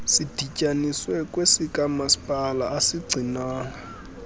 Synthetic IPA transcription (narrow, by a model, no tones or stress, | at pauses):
sid̥ʱicʼaniswɛkʼwesikʼamasi̥pʼalaːsiɡ͡ǀʱinaːŋa